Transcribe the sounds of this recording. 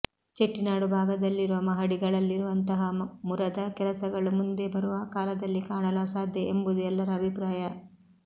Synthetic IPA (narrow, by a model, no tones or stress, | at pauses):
t͡ʃeʈːinaːɽubʱaːɡɐd̪ɐlːiɾuʋɐmɐɦɐɽiɡɐɭɐlːiɾuʋɐnt̪ɐɦɐmuɾɐd̪ɐkɛlɐsɐɡɐɭumund̪e̞bɐɾuʋɐkaːlɐd̪ɐlːikaːɳɐlasaːd̪ʱjɐʔembud̪uɛlːɐɾɐːbʱipɾaːjɐ